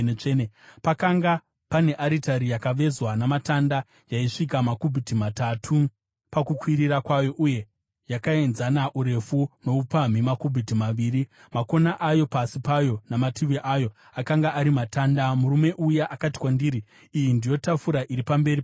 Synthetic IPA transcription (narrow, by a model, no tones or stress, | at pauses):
enpakaŋɡa | pane̞ʔaɾitaɾijakaʋe̞zwanamatanda | jaiʂik̬amakubʱitimatatʰu | pakukwiɾirakwajo̞ʔuje̞ | jakae̞nzanaʔuɾe̞funo̞upam̤imakubʱitimaʋiːri | mako̞naʔajo̞pasipajo̞namatiʋiʔajo̞ | akaŋɡaʔːɾimataːndamuɾume̞ʔujaʔakati̥kwandiːɾiː | jindijo̞tafuɾaʔiɾipambe̞ɾi